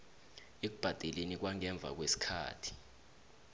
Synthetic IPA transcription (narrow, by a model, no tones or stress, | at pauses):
ek̬ub̥ʱad̥ʱɛlenik̬waŋɛɱb̪vʱa̰k̬wesi̥kʰa̰ːtʰi̥